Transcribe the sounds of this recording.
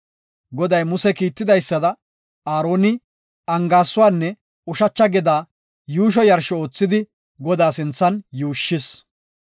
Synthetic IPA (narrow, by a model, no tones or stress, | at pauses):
ɡɔd̪ɐjmʊsɛkiːt̪ːɪd̪ɐjsːɐd̪ɐ | aːɾo̞ːnɪ | ɐŋɡaːsːʊwaːnːɛ | ʊʃɐt͡ʃːɐɡɪd̪aː | juːʃ̬ɔjɐɾʃɔoːt͡sːɪd̪ɪ | ɡɔd̪aːsɪnt͡sːɐnjuːʃːɪs